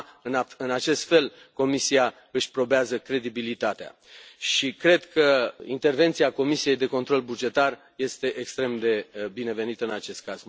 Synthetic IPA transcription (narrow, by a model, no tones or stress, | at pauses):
ɨnaɨnat͡ʃe̞st̪fe̞l | ko̞misia | ɨʃʲpɾo̞beazəkɾe̞d̪ibilit̪at̪ea̰ | ʃikɾe̞d̪kəint̪e̞rve̞nt̪siako̞misije̞jd̪e̞ko̞nt̪ɾo̞lbud͡ʒe̞t̪ar | je̞st̪e̞ʔekst̪ɾe̞md̪e̞bine̞ve̞nit̪əɨnat͡ʃe̞st̪̚kaz̥